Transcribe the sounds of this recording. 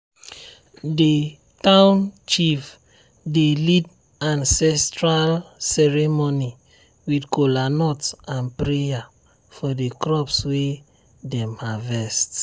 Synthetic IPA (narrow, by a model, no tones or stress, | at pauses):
de | tãʊ̃nt͡ʃif | delid | ãnsɛstɹalsɛɹɛmoni | widkolanɔtãnpɹeja | fɔdekɹɔpswe | dɛ̃mhavɛst